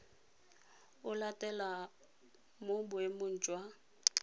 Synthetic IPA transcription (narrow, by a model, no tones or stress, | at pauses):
ʊlatʼɛla | mʊbʊemʊn̩ːt͡ʃʼwa